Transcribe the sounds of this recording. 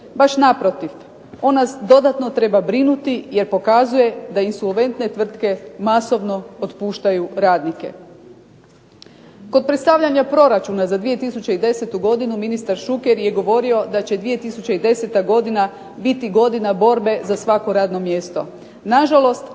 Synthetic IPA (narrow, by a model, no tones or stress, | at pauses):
baʃnapɾo̞t̪if | o̞nnasd̪o̞d̪at̪no̞t̪ɾe̞babɾinut̪ije̞ɾpo̞kazuje̞d̪ainsolʋe̞nt̪ne̞t̪ʋr̩t̪ke̞maso̞ʋno̞ot̪puːʃt̪ajuɾaːd̪nike̞̰ | ko̞d̪̚pɾet̪st̪aʋʎaɲapɾo̞ɾat͡ʃunazad̪ʋije̞t̪isut͡ɕeid̪e̞se̞t̪uɡo̞d̪inuminist̪aɾʃukeɾje̞ɡo̞ʋo̞ɾio̞d̪at͡ɕe̞d̪ʋije̞t̪isut͡ɕeid̪e̞set̪aɡo̞d̪ina | bit̪iɡo̞d̪inabo̞ɾbe̞zasʋako̞ɾaːd̪no̞mje̞st̪o̞̰ | naʒalo̞st̪